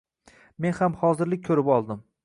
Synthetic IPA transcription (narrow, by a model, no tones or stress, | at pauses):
me̞nhamhɒzɪɾlɪk̚ʲkʰɵɾɪpɒlˠd̪ɪm